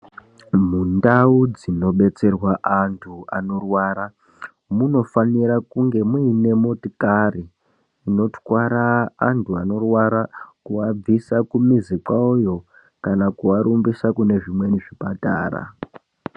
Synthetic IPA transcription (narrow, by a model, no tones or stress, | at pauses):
mundaud͡zino̞ɓe̞t͡se̞rwaʔantʰua̰no̞rwaːɾa | muno̞faniɾakuŋɡe̞muine̞motikariː | no̞twaɾaːntʰuano̞rwaɾakuab͡visakumizikwaujo̞ | kanakuaɾumbisakune̞ʐimwe̞niʐipata̰ːra̰